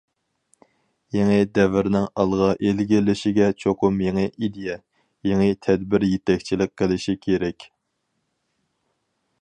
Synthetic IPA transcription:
jeŋɪd̪ɛvɪɾnɪŋɑlˠʁɑʔelɡʲɪlɪʃiɡʲɛt͡ʃʰoqʊmjeŋɪʔid̪ejɛ | jeŋɪt̪ʰɛd̪bɪɾjet̪ʰɛkʲt͡ʃʰilɪk̚qːəlɪʃikʲʰeɾɛkʲ

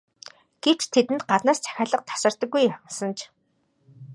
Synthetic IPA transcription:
ɡ̥ew̥t͡ɕt̪ʰet̪ɘ̆nt̪̚ɢat̪naːst͡sʰæ̥xʲaːɮə̆q̚t̪ʰḁsə̆r̥t̪ə̆kːujamsə̆nt͡ɕʰ

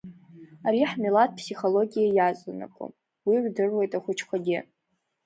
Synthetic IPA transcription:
aɾiħmilat̚ʼpʰsiχo̞lo̞ɡʲijajat͡sʼana̰kʷʼo̰ | wiʕʷdɨrwe̞jtʼaχʷʊt͡ʃʰkʷʰaɡʲɪ

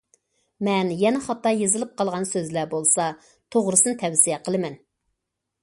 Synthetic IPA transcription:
mɛnjɛnɛχɑt̪ːɑjezɨlˠɪp̚qʰɑlˠʁɑnsøzlæbolˠsɑ | t̪ʰoʁɾɨsɨnɨt̪ʰɛwsijɛqʰəlˠɨmɛn

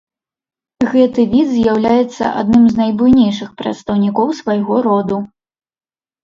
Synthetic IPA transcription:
ɣɛt̪ɨvʲid̪zʲjawlʲajɛt̪sːɐ̰ʔa̰d̪nɨmznajbujnʲejʂɨxpɾɐ̰t̪st̪ɐwnʲikɔwsvajɣɔɾɔd̪u

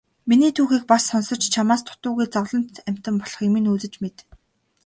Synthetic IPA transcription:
miniːt̪ʰuːxiːk̚pasːɔnsɞ̆t͡ɕt͡ɕʰamaːst̪ʰʊ̥t̪ʊːɣujt͡sɔʁɮɞ̆n̥t̪æm̥ʲt̪ə̆mpɔɮɞ̥̆χimiːnuːt͡sɘ̆t͡ɕmet̪

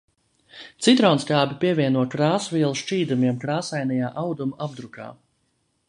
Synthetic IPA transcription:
t̪sit̪ɾɔːnskaːbʲipʲiɛvʲiɛnuɔkɾaːsviɛlˠuʃʃt͡ʃiːd̪umiɛmkɾaːsajnɛjaːʔawd̪umuab̚d̪ɾuka̰ː

